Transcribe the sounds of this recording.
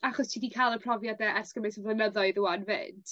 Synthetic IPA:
aχɔstʰiːdikʰalˠəpʰr̥ɔvjadɛʔɛskəmɪsəvənəðɔɨðəwanvɪ̰ːd̥

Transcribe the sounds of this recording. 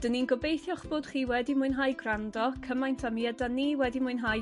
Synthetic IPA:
d̥əninɡɔbejθjɔχb̥ʊːd̥χiːwɛdimʊɨnɦaːjɡrandɔkʰəmajntʰamiɛdaniwɛdimʊɨnɦaj

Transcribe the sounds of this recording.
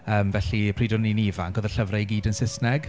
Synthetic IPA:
əːmvɛɬipʰriːdɔninivaŋɡoːðəɬəvrajɡiːdənsɪsnɛɡ̥

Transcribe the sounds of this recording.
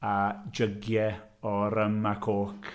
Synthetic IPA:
ad͡ʒəɡjɛ | ɔɾəmakʰoːk

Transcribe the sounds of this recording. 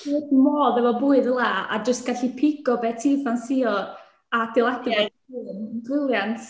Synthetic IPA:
kɛdmɔːðɛvɔbuːɨðəlˠaa̰d͡ʒəstɡ̥aɬipʰɪɡ̥ɔbɛtʰiːfansiɔ | adɪlˠɛda | ɨnnkrɪlˠjantʰ

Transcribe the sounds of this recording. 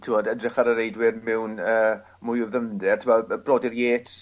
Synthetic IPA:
tʰɪwoːdədrɪχaɾəɾejdwɪrmɛwnəː | mʊjʊðəndɛrtʰɪmabrɔːdɪrjeːtʰ

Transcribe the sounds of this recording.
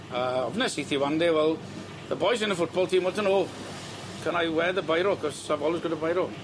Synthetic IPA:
əɔbnɛsiθiwandewɛlˠ | ðəbɔjsɪ̃nðəfʊt̚b̥ɔlˠtʰiːmwɔtənolˠ | kʰənajwɛðəbajɾokʰɔssabɔlɪzɡʊdəbajɾolˠ

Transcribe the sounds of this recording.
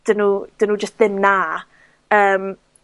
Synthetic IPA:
d̥ənud̥ənuːd͡ʒəstðɪmna | əːm

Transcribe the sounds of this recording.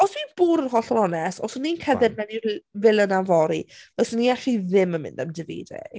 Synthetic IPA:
ɔsminb̥uːɾənɦɔɬɔlˠɔnɛsɔsninkʰəðɛd̚mɛnivɪlˠənavɔɾḭbɛsniaɬiðɪmənmɪ̰ndamdɪvḭːdḛ

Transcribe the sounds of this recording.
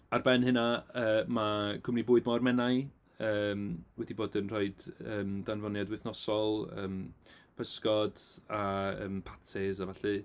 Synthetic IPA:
arbɛnɦɨnaəːmakʰʊmribuːɨdmɔrmɛnaj | əːmwɛdiboːdənroɨdəːmdanvɔnjadwɪθnɔsɔlˠə̰ːmpʰəskɔd̥aə̰ːmpʰatʰɛzavaɬɨ

